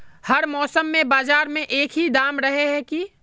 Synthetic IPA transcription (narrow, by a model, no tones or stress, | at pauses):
hɐɾmɔːsəmːẽbaːzaːɾmẽʔeːkɦid̪aːmɾɐɦeɦɛki